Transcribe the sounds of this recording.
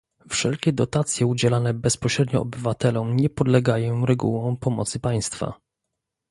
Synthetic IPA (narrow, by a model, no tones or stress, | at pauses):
fʂɛlkʲɛd̪ɔt̪at̪sʲjɛud͡ʑɛlanɛbɛspɔɕɾɛd̪ɲɔ̰ɔbɘvat̪ɛlɔ̃mɲɛpɔd̪lɛɡajɔ̃w̃ɾɛɡuwɔ̃w̃pɔmɔ̰t̪sɘpaj̃st̪fa̰